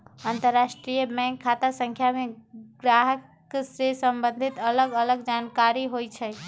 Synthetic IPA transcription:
ant̪əɾːasʈɾijəbɛ̃ŋkʰːat̪asə̃ŋkʰjameɡɾaɦək | sesəmbə̃nd̪ʱit̪ələɡələɡd͡ʒankaɾiɦojt͡ʃʰɛ

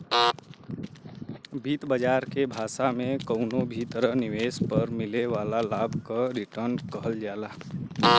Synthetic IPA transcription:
bʱiːt̪bəd͡ʒaːɾkebʱaːsamẽkəʊnobʱit̪əɾənɪweːspəɾmɪlewaːlalaːbʱkaɾɪʈəɾnkəɦəld͡ʒaːla

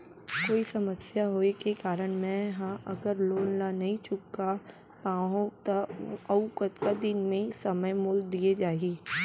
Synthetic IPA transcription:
koːisɐməsjaɦoːekekaːɾəɽ̃mɛ̃ɦãʔɐɡəɾloːlnanɐɦĩt͡ʃʊkːa | pãːɦõt̪ɐɐʋʊkət̪kad̪ɪnmẽsɐməjmʊːld̪ied͡ʒaːieː

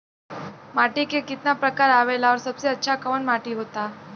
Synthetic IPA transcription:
maʈikekit̪napɾəkaɾaʋelaɔɾsəbseətːɕʰakəʋəɳmaʈiɦot̪a

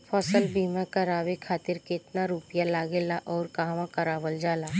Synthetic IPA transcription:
pʰɔːsəlbʱiːmãkɐɾaːwekʰaːt̪ɪɾkɪt̪naɾuːpɪjalaːɡelaʔɔːɾkaːʋãkɐɾaːbəld͡ʒaːlaː

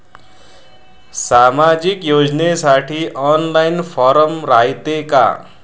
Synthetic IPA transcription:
samad͡ʒikjod͡znesaʈʰiʔɔnlajnpʰɔɾʌmɾait̪eka̰

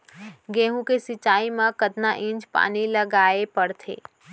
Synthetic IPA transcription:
ɡẽːɦũkesɪt͡ʃːaːimãkət̪naʔɪ̃nd͡ʒpa̰ːniləɡaːepəɽt̪ʰḛː

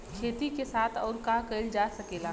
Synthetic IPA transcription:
kʰeːt̪ikesaːt̪ʰɔːɾkaːkɐɪld͡ʒaːsɐkeːlaː

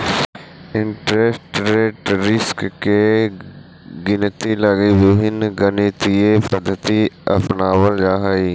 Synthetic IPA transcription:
ɪɳʈɾesʈɾeʈɾɪskke | ɡɪnət̪iləɡiʋuɦɪnɡəniːt̪iepəd̪ʱət̪iɐ̰pnaːwəld͡ʒaːɦaiː

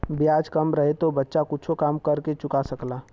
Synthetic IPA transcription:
bijaːd͡ʒkɐmɾɐɦet̪obɐtːʃakʊtːt͡ʃʰokaːmkɐɾket͡ʃʊkasɐklaː

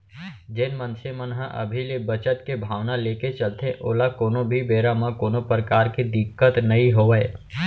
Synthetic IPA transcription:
d͡ʒeːnmə̃nsemənɦə̃ʔɐ̰bʱilebət͡ʃət̪kebʱaːʋnaleːket͡ʃɐlt̪ẽʔoːlakoːnobʱibeːɾamãkoːnopɾəkaːɾkid̪ɪkːət̪nɐɦĩɦoːʋəe

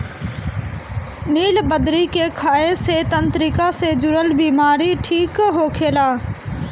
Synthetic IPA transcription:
niːlbəd̪ɾiːkeːkʰaːeseːt̪ənt̪ɾikaseːd͡ʒʊɾəlbiːmaːɾiʈʰiːkɦoːkʰeːlaː

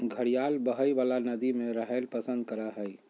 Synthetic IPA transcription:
ɡʱəɽijalbəɦəjbalanəd̪imeɾəɦəlpəsə̃nd̪̚kəɾəɦəj

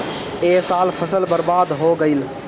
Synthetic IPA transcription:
eːsaːlpʰəsəlbəɾbaːd̪ɦoɡəɪl

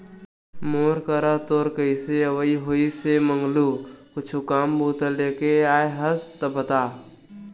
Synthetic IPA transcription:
moːɾkəɾat̪oːɾkəiseəʋəiɦoːisemə̃ŋɡlukʊt͡ʃʰukaːmbuːt̪əleːkeaːeɦəst̪ɐpət̪aː

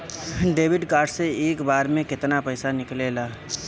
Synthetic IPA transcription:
ɖeːbɪɖkaːɾʈseeːkbaːɾmẽkɪt̪napɛːɪsanɪkleːlaː

